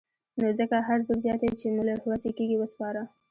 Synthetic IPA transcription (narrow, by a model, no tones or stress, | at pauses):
nozəkaɦaɾzoɾzjɑt̪et͡ʃenulahwazekeɡiwəspɑɾa